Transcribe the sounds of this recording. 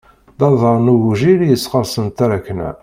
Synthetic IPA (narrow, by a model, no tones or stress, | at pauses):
d̪ɑðˤəɾˤnuɣuʒiɾjəsːqəɾˤsənt̪æɾækːnæ̰